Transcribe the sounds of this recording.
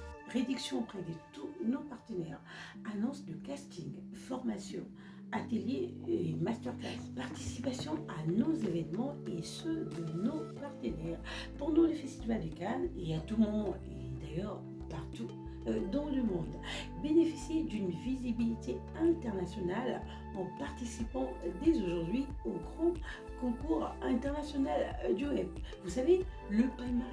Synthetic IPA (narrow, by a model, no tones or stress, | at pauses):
ʁed̪yksjɔ̃pχɛd̪et̪unopaʁt̪ənɛʁ | anɔ̃sd̪əkast̪iŋfɔʁmasjɔ̃ | at̪əljeemast̪œʁkla̰spaʁt̪i̥sipasjɔ̃anozevɛnmɑ̃esød̪ənopaʁt̪ənɛʁ | pɑ̃d̪ɑ̃lefɛst̪ivald̪ykaneat̪umɔ̃d̪ | ed̪ajœʁ | paʁt̪u | d̪ɑ̃ləmɔ̃d̪ | benefisjed̪ynvizibilit̪ʰe | ɛ̃t̪ɛʁnasjɔnal | ɑ̃paʁt̪isipɑ̃d̪ezoʒuʁd̪ɥi | oɡʁɑ̃ | kɔ̃kuːʁɛ̃t̪ɛʁnasjɔnald̪yɛpvusave | ləpana